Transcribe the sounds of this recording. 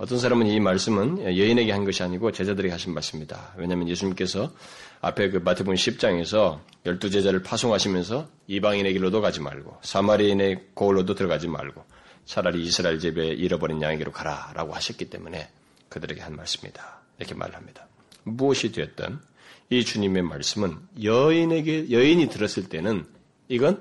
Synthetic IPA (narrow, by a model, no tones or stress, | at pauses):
ʌt͈ʌnsʰaɾamɯnimaɭs͈ɯmɯnjʌine̞ɡe̞hanɡʌɕʰiaɲiɡot͡ɕe̞d͡ʑadɯɾeiɡehaɕʰinmaɭs͈ɯmɲida̰we̞ɲaːmjʌnje̞sʰuɲimk͈e̞sʰʌa̰pʰe̞kɯmatʰebunɕʰip̚t͡ɕ͈aŋe̞sʰʌ | jʌɭt͈ud͡ʑe̞d͡ʑaɾɯɭpʰasʰoŋɦaɕʰimjʌns̬ʰʌ | ibaŋine̞ɡiɭːodokad͡ʑima̰ɭɡo̰sʰamaɾine̞kouɭːodotɯɾʌɡad͡ʑima̰ɭɡo | sʰaɾaɾiːsʰɯɾaiɭt͡ɕibe̞ʔiɾʌbʌɾinjaŋeɡiɾokaɾaɾʔa̰ɡohaɕʰʌt̚k͈it͈e̞̰mune̞ | kɯdɯɾe̞ɡe̞hanma̰ɭs͈ɯ̥mɲḭd̥ḁiɾʌkʰe̞mʔa̰ɾɯɭhamɲid̥ḁ | muʌɕʰidwe̞ʌt̚t͈ʌ̰n | it͡ɕuɲime̞ma̰ɭs͈ɯmɯnjʌinɡejʌiɲitɯɾʌs͈ɯɭt͈e̞nɯn | iɡʌn